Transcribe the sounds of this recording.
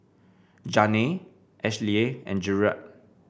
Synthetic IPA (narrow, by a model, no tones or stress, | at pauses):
d͡ʒane | ʔɛʃlieɛ̰̃nd͡ʒuɹa̰t̚